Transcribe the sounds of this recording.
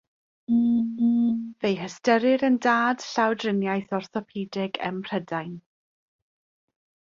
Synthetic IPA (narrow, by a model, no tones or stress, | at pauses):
vejɦəstəɾɪɾəndaːd̥ɬawdrənjajθɔrθɔpʰiːdɪɡə̰mpʰr̥ədajn